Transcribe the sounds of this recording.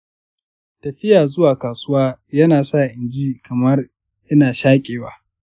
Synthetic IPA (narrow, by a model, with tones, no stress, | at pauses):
tɐ˨ɸɪ˦jaː˨zʊ˦waː˨kaː˨sʊ˦waː˦jɐ˦naː˨sa˦˨ʔɪ˨nd͡ʒiː˦kʰɐ˨mɐ˦r | ʔɪ˦naː˨ʃaː˦kʲʼeː˨waː˦